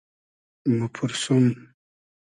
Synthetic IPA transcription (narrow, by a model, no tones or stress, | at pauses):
mupʰuɾsum